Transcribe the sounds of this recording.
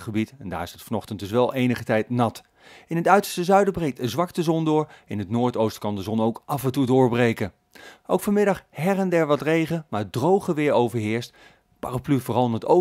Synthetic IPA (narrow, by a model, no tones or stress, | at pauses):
χəbitɛnda̰ːɹɪsətfɑnɔχtəntdɵs̬ʋɛlˠʔejnəχətɛjtnɑt | ɪnɦətœɥtə̥ɹstəzœɥdəbrejk̚dəzʋɑktəzɔndʊːɹɪnɦətnoːɹtowstkɑndəzɔnowkʔɑfɛntudʊːɹbrejkə | ʔowkfɑnmɪdɑχɦɛrɛndɛɹʋɑtrejχənmaːdrowχəʋɪːɹowvəɹɦɪːɹst | pa̰raplyvʊːrɑlˠɪnəto